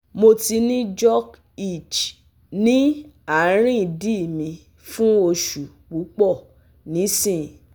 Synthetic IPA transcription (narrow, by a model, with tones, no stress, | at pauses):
mo˧ti˧nĩ˦d͡ʒɔ˦k | i˦˨t͡ʃ | nĩ˦ | a˦˨˦ɾ̃ĩ˦˨di˦˨mĩ˧ | fũ˦o˧ʃu˨ | k͡pu˨˦k͡pɔ˦˨ | nĩ˨˦sĩ˦˨